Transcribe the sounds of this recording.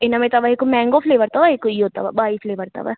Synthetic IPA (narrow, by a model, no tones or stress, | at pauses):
ɪnamẽt̪aʋɐɦekomɛ̃ːŋɡofʰleːʋəɾt̪aʋaɦekoiɦoːt̪a̰ʋa̰baːifleːʋəɾt̪a̰ʋa̰